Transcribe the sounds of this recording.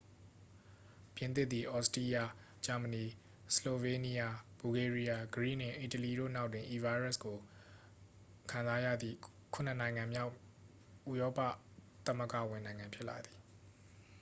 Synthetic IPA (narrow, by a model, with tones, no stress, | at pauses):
pjɪ̃˨nt̪̬ɪ˦t̪ːi˨ʔɔ˦sti˦ja˦˨ | d͡ʑa˨mə˨ni˨ | səlo˨ve˨ni˦ja˦b̥u˨ɡe˨ɹi˦ja˦ɡəɹḭ˦˨nɪ̰̃˦˨ʔi˨təli˨ɾo̰˦˨na˦ʊtwɪ̃˨ʔi˨va˦ɪɹa˦sko˨ | kʰã˨za˨˦ja̰˦˨d̪ðḭ˦˨ | kʰʊ̃˨n̥ə˦˨nã˨ɪ̃ŋã˨mja˦ʊ | ʔu˦˨jɔ˦pä̰˦˨t̪ã˦mə˦˨ɡa̰˦˨wɪ̃˨nã˨ɪ̃ŋã˨pʰjɪ˦ʔla̰˨d̪i˨